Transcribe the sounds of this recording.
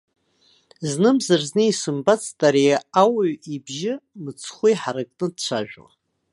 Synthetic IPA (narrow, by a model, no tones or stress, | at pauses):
znɨmzarznɨisɨmbat͡sʰʼtʼaɾijaawaɥibʒɪmɨt͡sʰχʷujħaɾakʼnɨd̚t͡ɕʷʰaʒᶣa̰